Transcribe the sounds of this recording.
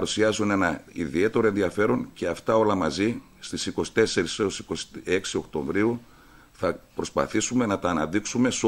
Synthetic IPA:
ɾusiɐzune̞nɐḭðie̞t̪e̞ɾo̞e̞nðiɐfe̞ɾo̞nce̞ɐft̪ɐo̞lɐmɐzi | st̪isiko̞si̥t̪e̞se̞ɾissiko̞se̞ksio̞kt̪o̞ɱvɾiu | θɐpɾo̞spɐ̰θisume̞nɐt̪ɐːnɐðiksume̞s

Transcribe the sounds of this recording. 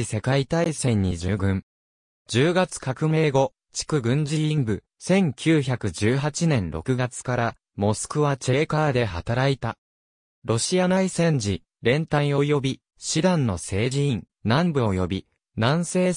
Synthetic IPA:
ise̞kait̪aisẽ̞ɲ̟ːḭd͡ʑɨːɡɯ̟̃ɴ | d͡ʑɨːɡat͡sɨ̥kakɯ̟me̞ːɡo̞ | t͡ɕi̥kɯ̟ɡɯ̟̃ɲ̟d͡ʑiĩmbɯ̟ | sẽ̞ŋkʲʰɨːçakɯ̟d͡ʑɨːɦat͡ɕinẽ̞nɾo̞̰kɯ̟ɡat͡sɨ̥kaɾa | mo̞sɨ̥kɯ̟βat͡ɕe̞ːkaːd̪e̞ɦat̪aɾait̪a | ɾo̞ɕianaisẽ̞ɲ̟d͡ʑi | ɾẽ̞nt̪ãĩo̞jo̞bʲi | ɕid̪ãnːo̞se̞ːʑiĩn | nãmbɯ̟ojo̞bʲi | nãɰ̃se̞ː

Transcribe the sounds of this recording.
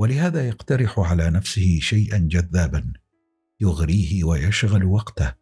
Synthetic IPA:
walɪhaːðaːjaqt̪ɑɾɪħʊʕalaːnafsɪhɪʃajʔand͡ʒaðːaːban | jʊɣɾiːhɪwajaʃɣalwɑqt̪ah

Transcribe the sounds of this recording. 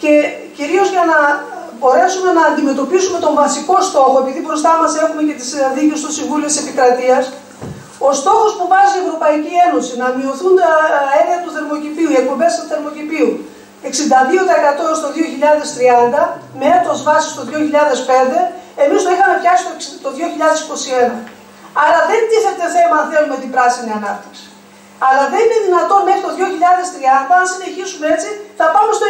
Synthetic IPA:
ce̞ | ciɾio̞zʝɐnɐ | bo̞ɾe̞sume̞nɐːnd̪ime̞t̪o̞pisume̞t̪o̞ɱvɐsiko̞st̪o̞xo̞epiðibɾo̞st̪ɐmɐse̞xume̞ce̞t̪isnðicest̪o̞siɱvuliot̪ise̞pikɾɐt̪iɐs | o̞st̪o̞xo̞spuvɐzie̞vɾo̞pɐicie̞no̞sinɐmio̞θunt̪ɐeniɐt̪uθe̞ɾmo̞cipiuie̞k̚po̞mbe̞st̪uθe̞ɾmo̞cipiu | e̞ksind̪ɐðiot̪ɐekɐt̪o̞st̪o̞ðio̞çiʎɐðe̞st̪ɾiɐnd̪ɐmeet̪o̞zvɐsi̥st̪o̞ðio̞çiʎɐðe̞spe̞nd̪e̞emist̪o̞ixɐme̞ft̪çɐksi̥t̪ot̪o̞ðʝo̞çiʎɐðe̞siko̞sie̞nɐ | ɐɾɐðe̞nt̪iθeɾt̪e̞θemɐnθe̞lumeot̪ipɾɐsiniɐnɐp̚t̪i̥ksi̥ | ɐlɐðe̞nine̞ðinɐt̪o̞nme̞xɾit̪o̞ðʝo̞çiʎɐðe̞st̪ɾiɐnd̪ɐnsine̞çisune̞t͡siθɐpɐumest̪o

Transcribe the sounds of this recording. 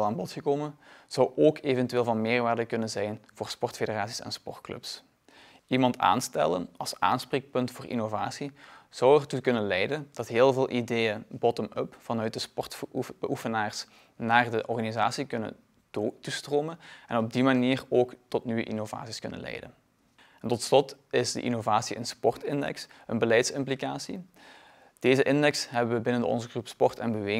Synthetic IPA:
lˠaːnbɔtxəkoːmənz̥ɑwʔoːkʰevɛntyeːlˠvɑnmɪːrʋaːrdəkɵnənzɛjnvoːɹspɔɹtfedəraːtsi̥sɛ̰nspɔrtklɵ̰ps | imɑnta̰ːnstɛ̰lə̰nɑlˠsa̰ːnspreːk̚pɵntfʊːrʔḭnova̰ːsiz̥ɑwɛrtukɵnənlɛjdənd̥ɑtɦɪːlˠveːlˠʔidejənbɔtəməpfɑnœɥt̚dəspɔrtəʔufənaːrs | naːrdəʔɔrɣaniza̰ːsikɵnə̰ | tustroːmənɛnɔb̚dimaniːroːktɔtnyʋə̰ʔinova̰ːtsiskɵnə̰nlɛ̰jdə̰n | ɛntɔtslɔtɪzdə̰ʔḭnovaːsiʔə̰nspɔrtɪndɛ̰ksənbəlɛjtsɪmplikaːsi | d̥eːzəʔɪndɛksɦɛbəʋəbɪnəndəɔ̰nzəɣrupspɔrtɛ̰nbəʋeː

